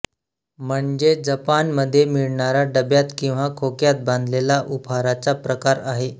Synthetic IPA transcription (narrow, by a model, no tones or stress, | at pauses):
m̤əɳd͡zed͡zəpanməd̪ʱːjemiɭɳaɾaɖəbjat̪kĩw̃ʋakʰokjat̪̚bãnd̪ʱlelaʔupʰaɾat͡sapɾəkaɾaɦe